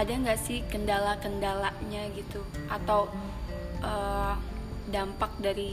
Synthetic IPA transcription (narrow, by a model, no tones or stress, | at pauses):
adaŋɡaʔsɪhkəndalakəndalaʔɲaɡit̪uʔat̪aw | ʔəː | dampak̚daɾi